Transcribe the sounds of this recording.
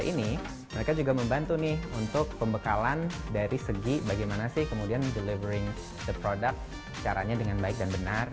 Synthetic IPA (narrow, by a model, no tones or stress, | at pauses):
ʔini | məɾekad͡ʒuɡaməmbant̪unɪhunt̪ʊk̚pəmbəkalandaɾisəɡibaɡajmanasɪhkəmudiandəlivəɾɪŋ | d̪əpɾodak̚t̪̚ | sə̥t͡ʃaɾa̰ɲadəŋanbaɪk̚danbənar